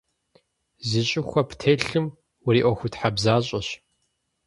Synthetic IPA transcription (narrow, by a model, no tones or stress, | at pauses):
zɨɕʼɪxʷɐptʰeːɬɨm | wʊriːʔʷɔxʷʊtħabzaːɕʼɐɕ